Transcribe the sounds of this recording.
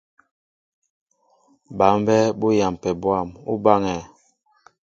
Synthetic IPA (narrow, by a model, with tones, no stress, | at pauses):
ba˨˦m˦bɛ˦bo˦ja˨m˨pɛ˨bwa˦˨mṵ˦ba˦ŋɛ˨